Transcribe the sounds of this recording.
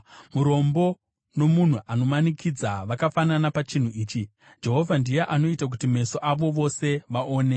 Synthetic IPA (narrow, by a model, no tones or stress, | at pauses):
muɾo̞mbo̞ | no̞mun̤uʔano̞manikʰid͡zaʋakafananapat͡ʃin̤uiːt͡ʃi | d͡ʒe̞ɦo̞vʱandijeʔano̞itak̬utime̞so̞ʔaʋo̞ʋo̞se̞ʋaʔoːne̞